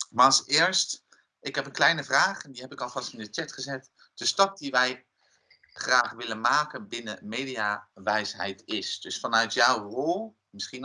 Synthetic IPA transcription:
maɑlˠsɪːɹst | ʔɪkɦɛpənklɛjnəvraːχɛndiɦɛpɪkɑlˠvɑstɪndət͡ʃɛtχəzɛt | d̥əstɑp̚diʋɛj | χraːχʋɪlənmaːkənbɪnəmejdiaʋɛjsɦɛ̰jtɪsd̥ɵsfɑnœɥtjɔwrolˠ | mɪsχin

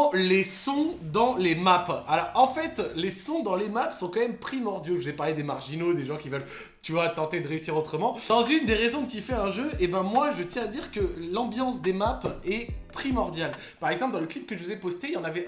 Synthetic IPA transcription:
lesɔ̃d̪ɑ̃lemapalɔʁɑ̃fɛt̪lesɔ̃d̪ɑ̃lemapsɔ̃kɑ̃mɛmpχimɔʁd̪joʒəzɛpaʁled̪emaʁʒinod̪eʒɑ̃kʲivœl | t̪yvwat̪ɑ̃t̪ed̪əʁeysiʁot̪χəmɑ̃ɑ̃zynd̪eʁezɔ̃kʲifɛɛ̃ʒøʔebɛ̃mwaʒət̪jɛ̃ad̪iʁkəlɑ̃bjɑ̃s̬d̪emapɛpχimɔʁd̪jal | paʁɛɡzɑ̃p̬ld̪ɑ̃ləklip̚kəʒəvuzɛpɔst̪eiljɑ̃navɛ

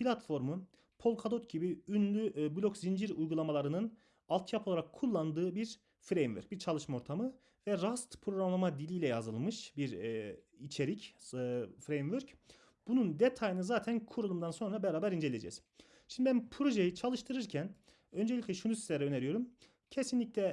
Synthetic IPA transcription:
pʰilʲat̪fo̞ɾmu | pʰo̞lˠkʰad̪ot̪ɟibiynlʲyblʲo̞kzind͡ʒiɾujɡulˠamalˠaɾɯnɯn | alˠt̪ʰjapʰo̞lˠaɾakʰːulˠːand̪ɯːbiɾ | fɾejmvø̰ɾc̚biɾt͡ʃʰalˠɯʃmao̞ɾt̪ʰamɯ | vɛɾast̪pʰɾo̞ɡɾamlˠamad̪ilʲijlʲɛjazɯlˠmɯʃbiɾ | it͡ʃʰe̞ɾicː | fɾejmvøɾc | b̥unund̪et̪ʰajɯnɯzaːt̪ʰænkʰuɾulˠumd̪anso̞nɾabɛɾaːbæɾind͡ʒelʲed͡ʒɛ̰ːz̥ | ʃimd̪ibænpʰɾo̞ʒe̞jit͡ʃʰalˠɯʃt̪ʰɯɾɯɾcʰæn | ø̞nd͡ʒelʲicʲlʲɛʃunusizlʲɛɾɛøneɾyjoɾum | cʰe̞sinlʲiclʲɛ

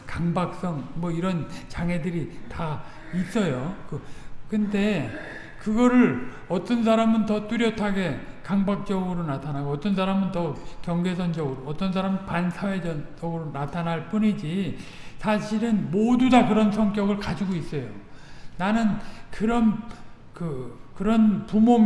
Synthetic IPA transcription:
kaŋbak̚s͈ʌŋmʌiɾʌnt͡ɕaŋɦe̞dɯɾita | is͈ʌjokɯkɯnde̞ | kɯɡʌɾɯɭ | ʌt͈ʌns̬ʰaɾamɯntʌt͈uɾjʌtʰaɡe̞ | kaŋbak̚t͡ɕ͈ʌɡɯɾonatʰanaɡoʌt͈ʌnsʰaɾamɯntʌkjʌŋɡe̞sʰʌnd͡ʑʌɡɯɾoʌt͈ʌns̬ʰaɾampansʰawe̞ʌʌɡɯɾonatʰanɦaɭp͈uɲid͡ʑi | sʰaɕʰiɾɯnmodudakɯɾʌnsʰʌŋk͈jʌɡɯɭkad͡ʑiɡois͈ʌjonanɯnkɯɾʌn | kɯkɯɾʌnpumom

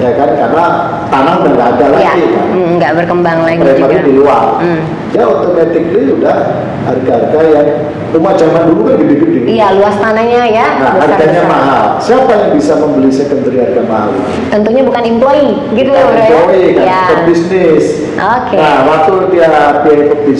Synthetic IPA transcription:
jakankarna | t̪anaŋdaŋɡaːdalajaɡika̰ŋɡaʔbərkəmbaŋlaɡlamaɾidilual̩ | d͡ʒaunt̪ʊket̪ɪk̚liudah | arɡaarɡajaŋ | umad͡ʒamandulukanɡədiɡidijaluast̪anahɲajaaaɾɡaɲamaɦalsiapajaŋbisaməmbəlisəkənt̪ɾiɦarɡamaɦa̰lḭut̪ənt̪uɲabukanimploi | ɡit̪uimploikajnɔt̚bisnɪs | ʔokenawak̪ut̪iapiɛnkɔk̚bi

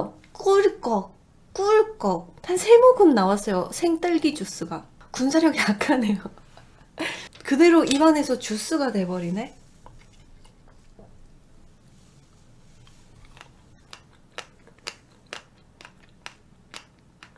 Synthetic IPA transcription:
k͈uɭk͈ʌk̚ | k͈uɭk͈ʌk̚tʰansʰe̞moɡɯmnawas͈ʌjosʰeŋt͈ɯɭɡid͡ʑus͈ɯɡa | kunsʰaɾjʌɡijakʰanejo | kɯde̞ɾoʔibane̞sʰʌt͡ɕus͈ɯɡate̞bʌɾine̞

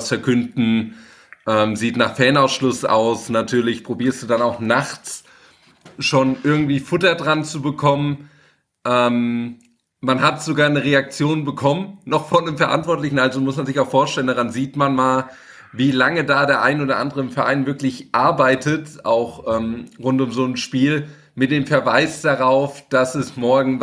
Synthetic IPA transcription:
sfɛɐkʰʏndn̩ | ʔɛːmziːtnaːχfɛːnaʊsʃlʊsʔa̰ʊsnatʰyːɐlɪçpʁ̥obiːɐstd̥uːdanaʊxnaχt͡s | ʃoːnʔɪɐɡŋ̩tv̥iːfʊtɐdʁant͡subəkʰɔmən | ʔɛːm | manɦatz̥oɡaːɐnəʁeak̚t͡sjoːnbəkʰɔmənnɔχfɔndəmfɛɐʔa̰ntv̥ɔɐtlɪçn̩ʔalzomʊsmanzɪçaʊxfoːɐʃtɛləndaʁanziːtmanmaːl | viːlaŋədaːdeːɐʔa̰ɪnəoːdɐʔa̰ndəʁəɪmfɛɐʔa̰ɪnvɪɐklɪçʔaɐbaɪtʰətʔa̰ʊxʔɛːmʁʊntʊmzoːnʃpiːl | mɪt̚d̥eːmfɛɐvaɪsd̥aʁaʊfd̥asɛsmɔɐɡŋ̩

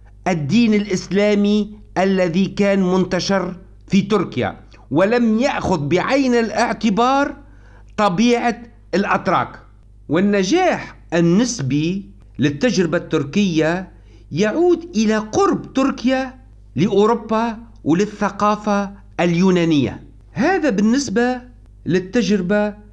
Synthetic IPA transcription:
ʔad̪ːiːnɪlʔɪslaːmiʔalːaðikaːnmʊnt̪aʃɪɾ | fit̪ʊɾkɪja̰ | wɪlamjaʔxʊðbɪʕajnɪlʔɪʕt̪ɪbɑːɾˤ | t̪ˤɑbiːʕa | ɪlʔat̪ɾˤɑ̰ːk | wɪnːaʒaːħʔɪnːɪsbi | lɪt̪ːad͡ʒɾɪbat̪ːʊɾkɪjːa | jaʕuːd̪ʔɪlaqʊɾbt̪ʊɾkɪja | lɪʔuːɾʊbːa | wlɪθːaqɑːfa | ljuːnaːnɪjːa̰ | haːðabɪnːɪsba | lɪt̪ːaʒɾɪba

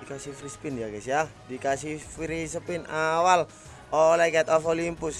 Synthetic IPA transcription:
ikasifɾispindakɛsiadikasihfiɾisəpɪnawal | olɛkaat̪ɔfolimpʊs

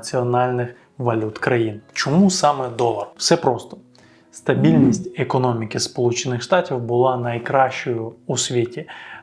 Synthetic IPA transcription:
t͡sʲiɔnɑlʲnɪx | ʋɐlʲut̪kɾɐjint͡ʃɔmusɑmɛd̪ɔlˠɐrw̥sɛpɾɔst̪ɔ̥ | st̪ɐbʲilʲnʲisʲtʲekɔnɔmʲikɪspɔlˠut͡ʃɪnɪxʃt̪ɑtʲiwbʊlˠɑnɐjkɾɑʃt͡ʃɔjʊusʲʋʲitʲi

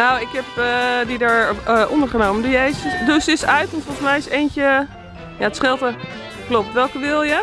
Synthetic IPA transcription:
nawɪkɛpədidaɹʔɔ̰ndəɹχənowməndəɹjejsəsdusɪsœɥtʋɔntfɔlˠsmɛjɪsejncə | jaətsχɪlˠtə | klop̚tʋɛlˠkəʋɪlˠjə

